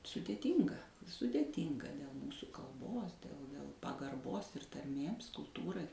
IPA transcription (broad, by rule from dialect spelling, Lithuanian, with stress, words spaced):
sʊdʲeːˈtʲiːŋɡɐ sʊdʲɛˈtʲiːŋɡɐ dʲɛlˠ ˈmuːsʊ kɐlˠˈboːs dʲɛlˠ dʲɛlˠ pɐɡɐrˈboːs ɪr tɐrʲˈmʲeːms kʊlˠˈtuːrɐɪ